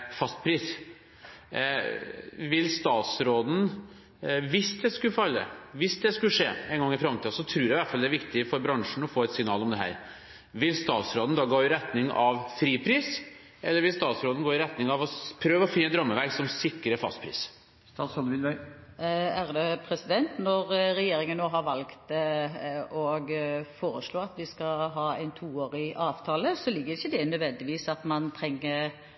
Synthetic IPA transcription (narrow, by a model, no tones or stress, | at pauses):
fɑst̪pʰɾiːs | ʋɪlːst̪ɑːt̪sɾoːd̪n̩ | ʋɪsd̪ɛskʉfɑlːə̰ʋɪsd̪ɛskʉʂḛːɛnɡɑŋːɪfɾɑmt̪ʰiːsɔt̪ʰɾʉːɾjɛɑɪʋæʈfɑld̪ɛæːɾʋɪkt̪ɪfɔɾbɾɑŋʂɳ̩ɔfoːɛt̪sɪŋnɑːlɔmd̪ɛɦæ̰ːɾ | ʋɪlst̪ɑːt̪sɾoːd̪n̩d̪ɑːɡɑːjʊɾɛt̪nɪŋɑʋfɾiːpʰɾiːs | ɛlːəɾʋɪlst̪ɑːt̪sɾoːd̪n̩ɡoːɪɾɛt̪nɪŋɑʋɔpʰɾøːʋəɔfɪnːəd̪ɾɔmːəʋæksɔmsɪkːɾəfɑ̰st̪pʰɾḭːs | st̪ɑsɔlʋɪnʋœʏ | æʁd̪ɛpʰɾɛsɪd̪ɛnt̪nɔɾɾɛjeːɾɪŋənːoːɦɑɾʋɑlkt̪ | ɔɡfoːɾəsɭoːɑt̪ʋɪskɑɦɑːæɪnt̪ʰuːoːɾɪʔɑːʋt̪ʰɑːləsɔlɪɡːəɾɪçːəd̪ɛnœd̪ʋɛnd̪ɪʋiːsɑt̪mɑnt̪ʰɾɛŋːəɾ